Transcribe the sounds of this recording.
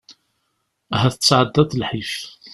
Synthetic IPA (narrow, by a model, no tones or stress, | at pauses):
ɦæθət͡sːʕəd̪ːæt̪lħif